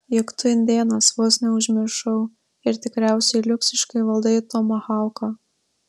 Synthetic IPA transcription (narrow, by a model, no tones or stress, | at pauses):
jɪkt̪ʊɪnʲd̪ʲeːnɐsʋoːsʲnʲɛʊʒʲmʲɪɾʃɐʊ | ɪɾt̪ʲɪkɾʲæˑʊsʲɛɪlʲʊkʲsʲɪʃkɐɪʋɐlˠd̪ɐɪt̪ɔmɐxɑˑʊkɐ